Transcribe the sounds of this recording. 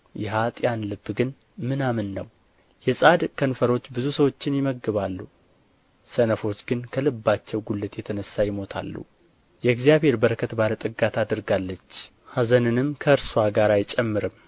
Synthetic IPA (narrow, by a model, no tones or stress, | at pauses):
jɛɦat̪ʼjanlɨbːɡɨn | mɨnamɨnːəw | jɛsʼad̪kʰənfəɾo̞t͡ʃːbɨzusəwo̞t͡ʃːɪnjɪməɡːɨβalːu | sənəfo̞t͡ʃːɡɨnkʰəlɨbːat͡ʃːɛwɡulːɨt̪jɛt̪ʰənəsːajɪmo̞t̪ʰa̰lːṵ | jɛɡzijaβhe̞ɾbəɾəkʰət̪balət̪ʼɨɡat̪ʰad̪ɨɾɡalːət͡ʃː | hazənɨnɨmkʰəɨɾswaɡaɾajt͡ʃʼɛmːɨɾɨm